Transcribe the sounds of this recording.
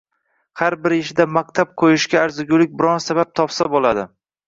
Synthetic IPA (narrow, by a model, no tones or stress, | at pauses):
haɾbɪɾɪʃɪd̪amak̚ʲt̪ʰap̚qʰojɪʃɡʲaːɾzɪɡʲʊlɪk̚ʲbɪɾɒnsabap̚t̪ʰɒpsabolˠad̪ɪ